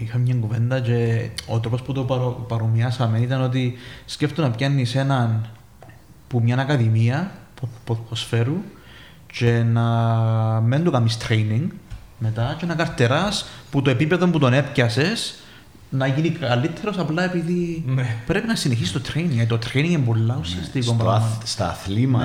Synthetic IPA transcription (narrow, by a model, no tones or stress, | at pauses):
ixɐmmɲɐŋɡuvend̪ɐt͡ʃe̞o̰t̪ɾo̞po̞sput̪o̞pɐɾopɐɾomiɐsɐmenit̪ɐno̞t̪̬isceft̪unɐpʝɐnːise̞nɐn | pumɲɐnɐkɐðimiɐppposfe̞ɾu | t͡ʃe̞nɐ | mend̪okɐmist̪ɾejniŋɡ | me̞t̪ɐt͡ʃeenɐkɐɾt̪e̞ɾɐsput̪oe̞pipeðo̞mput̪o̞ne̞pcɐse̞s | nɐʝinikɐlːit̪ʰːe̞ɾo̞sɐplɐe̞piðipɾe̞pinɐsineçisi̥st̪ot̪ɾejniŋɐt̪ot̪ɾejniŋɡembolːɐusiɐst̪ikompɾst̪θlimɐ